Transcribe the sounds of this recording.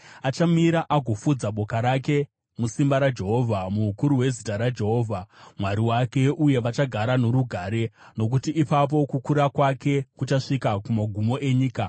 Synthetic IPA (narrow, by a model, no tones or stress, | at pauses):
at͡ʃamiɾaʔaɡʱo̞fud͡zaɓo̞kaɾake̞ | musimbaɾad͡ʒe̞ɦo̞vʱamukuɾuwe̞zitaɾad͡ʒe̞ɦo̞ːvʱamwaɾiwake̞ʔuje̞ʋat͡ʃaɡʱaɾano̞ɾuɡʱaːɾe̞no̞k̬utiʔːpap̬o̞kukuɾakwake̞kut͡ʃaʂikakumaɡʱumo̞ʔe̞ɲiːka